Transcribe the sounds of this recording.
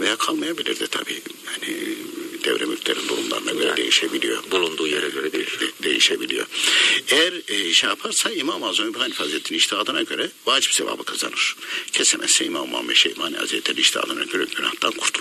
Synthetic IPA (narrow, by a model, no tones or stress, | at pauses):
vejakʰalˠmajabilʲḭɾd̪ɛt̪ʰa̰bḭːhanḭd̪̥ɛvɾɛmylʲcʰlʲeɾind̪uɾumlˠa̰ɾɯna̰ɟøɾɛd̪e̞jiʃebilʲijo̰bulˠund̪uːjeɾɛɟøɾɛed̪e̞jiʃebilʲijo̰ejæɾʃɛjapʰaɾsaimamazonibhanifazet̪ʰːiniiʃt̪ʰiaːd̪ɯnaɟø̞ɾɛvaːd͡ʒipseva̰ːbɯkʰazanɯɾ̥cʰesɛmʔɛ̰sɛimama̰meʃejmaːniha̰ziɛt̪ʰːeniiʃt̪ʰia̰ːd̪ɯnaɟøɾɛɟyna̰ht̪ankʰuɾt̪ʰulˠ